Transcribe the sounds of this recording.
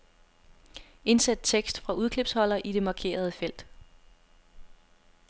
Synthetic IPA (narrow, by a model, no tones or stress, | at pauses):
e̝nsæd̥̚t͡sʰeɡ̥sd̥fʁɑ̈uð̞ˠkʰle̝b̥shɒ̽l̰ɐʔid̥e̝mɑ̈ːkʰe̝̰ːɐð̞ˠəfel̰d̥